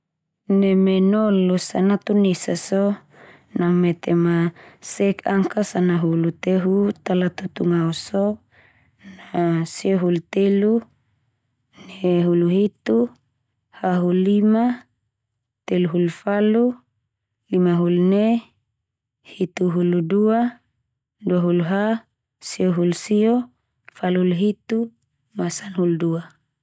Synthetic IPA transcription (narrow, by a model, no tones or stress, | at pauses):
nemenɔlːosanat̪unesaso | naŋmet̪emasɛkaŋkasanaɦulut̪eɦut̪alat̪ut̪uŋauso | nasieɦult̪elu | neɦuluɦit̪u | haɦulːima | t̪eluɦulfalu | limaɦulne | hit̪uɦuludua | duaɦuluɦa | sioɦulsio | faluluɦit̪u | masanhuldua